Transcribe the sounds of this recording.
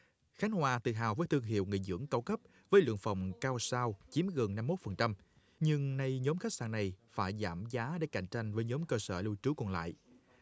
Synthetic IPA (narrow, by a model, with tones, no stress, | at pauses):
xa˨˦jŋ̟hwaː˨˩t̪ɨ̰˧˩ɦa̰ː˨˩wvəː˨˦jt̪ɨ˧əŋɦḭ˧˨əwŋḭ˧˨jzɨ̰˧˥əŋkaː˧wkə˦˥p̚ | vəː˨˦jlwɨ̰˧˨əŋfə̰˨˧˩wŋ͡mkaː˧wsaː˧wt͡ɕi˨˦mɣə˨˩nːa˧mːo˦˥t̚fə˨˩nt͡ɕa˧m | ɲɨ˧ŋna˧jɲɔ˨˦mxa˦˥k̚saː˧˩na˨˩jfaː˧˩jzaː˧˩mzaː˨˦ɗḛ˧˩ka̰˧˩jŋ̟t͡ɕa˧jŋ̟vəː˨˦jɲɔ˨˦mkəː˧səː˧˩lu˧t͡ɕɨ˨˦kɔ˨˩nla̰ː˧˨jʔ